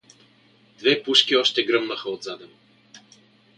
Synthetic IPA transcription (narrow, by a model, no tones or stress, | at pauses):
d̪vɛpuʃkʲiɔʃt̪ɛɡɾɤmnəxəod̪zad̪ɛm